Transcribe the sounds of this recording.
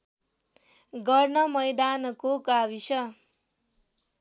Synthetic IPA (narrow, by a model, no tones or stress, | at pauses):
ɡʌrnʌmʌjd̪ankokabisʌ